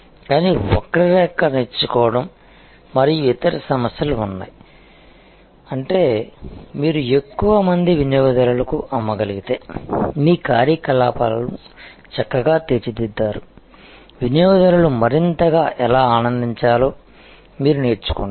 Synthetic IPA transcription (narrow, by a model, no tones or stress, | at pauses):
kaːniːɔ̰kːɐɾɐɾɛːkːɐneːɾt͡ʃːukɔːʋɐɽɐmː | ɐɾijuit̪ɐɾɐsɐmɐsjɐluunːa̰ːji | ɐɳʈe̞ːmiːɾue̞kːuʋɐmɐnd̪iʋinjɔːɡɐd̪ɐlɐlɐkuʔɐmːɐɡɐliɡit̪e̞ːmiːkaːɾjɐkɐlaːpɐlɐlu | t͡ʃɐkːɐɡaːt̪eːt͡ʃid̪id̪ːaːɾu | ʋinjɔːɡɐd̪ɐɾɐlumɐɾint̪ɐɡaːʔɛlaːaːnɐnd̪iɲt͡ʃaːlo̞ː | miːɾuneːɾt͡ʃu̥kuɳɖ